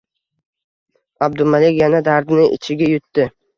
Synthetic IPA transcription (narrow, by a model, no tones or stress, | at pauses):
ab̚d̪ʊmalekʲjanad̪aɾd̪ɪnɪʔɪ̰t͡ʃʰɪɡʲajʊt̪ːɪ